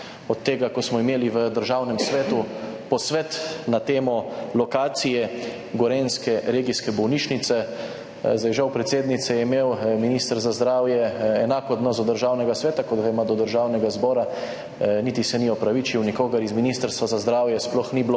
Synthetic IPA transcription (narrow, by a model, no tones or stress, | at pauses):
ɔt̪ːeːɡakɔsmɔimeːliʋəd̪əɾʒawnɛmsʋɛːt̪u | pɔsʋɛt̪nat̪eːmɔlɔkaːt̪sijɛ | ɡɔɾeːnskɛɾeːɡiskɛbɔwniːt͡ʃnit̪sɛ | zajʒawpɾɛt̪seːd̪nit̪sɛjɛimeːwminiːst̪əɾzazd̪ɾaːwjɛɛnaːkɔd̪nɔsd̪ɔd̪əɾʒaːwnɛɡasʋɛːt̪akɔd̪ɡajmad̪ɔd̪əɾʒaːwnɛɡazbɔːɾa | niːt̪isɛniɔpɾaʋit͡ʃiwnikoːɡɐɾizminist̪əɾst̪ʋazazd̪ɾaːwjɛsplɔxniblo